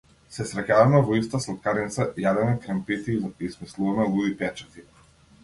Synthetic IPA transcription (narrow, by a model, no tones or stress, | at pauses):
sɛsɾɛcavamɛvɔist̪aslˠt̪̚kaɾnit̪sajad̪ɛmɛkɾɛmpit̪iismislˠuvamɛlˠud̪ipɛt͡ʃat̪i